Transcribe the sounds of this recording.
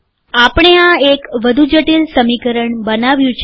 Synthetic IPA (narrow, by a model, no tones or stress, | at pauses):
apəɳ̃eaekʋəd̪ʱud͡ʒəʈilsəmikəɾəɳbənaʋjũt͡ʃʰ